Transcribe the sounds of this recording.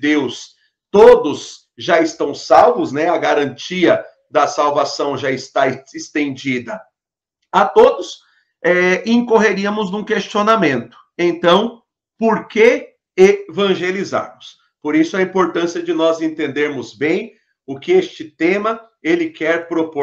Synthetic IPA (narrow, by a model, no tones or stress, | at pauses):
d̪ews | t̪od̪ʊs | ʒaɪst̪ɐ̃w̃sawvʊznɛɐɡaɾɐ̃nt͡ʃiɐ | d̪ɐsawvasɐ̃w̃ʒaɪst̪aɪst̪ẽnd͡ʒid̪ɐ | at̪od̪ʊs | ɛẽŋkoɦeɾiɐmʊznũkest͡ʃionamẽnt̪ʊ̥ẽnt̪ɐ̃w̃ | poɾke | evɐ̃ʒeliza̰ɾmʊs | poɾisʊɐĩmpoɾt̪ɐ̃siɐd͡ʒɪnɔzẽnt̪ẽnd̪eɾmʊzbẽj̃ | ʊkɪest͡ʃɪt̪ẽmɐ | elɪkɛɾpɾopo